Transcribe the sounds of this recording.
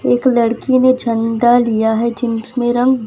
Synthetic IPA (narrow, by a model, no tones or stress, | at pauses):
eːkləɽkined͡ʒʱə̃nd̪alijaɦɛd͡ʒɪmsmẽɾə̃ŋɡ